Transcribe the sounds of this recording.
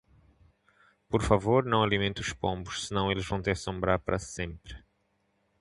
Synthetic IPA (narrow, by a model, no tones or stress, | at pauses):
pɔɾfavoɾnɐ̃w̃alimẽnt̪uuʃpõmbuʃsɨnɐ̃w̃elɪʒvɐ̃w̃t̪ɛɾsõmbɾaɾpɐɾʔɐsẽmpɾɨ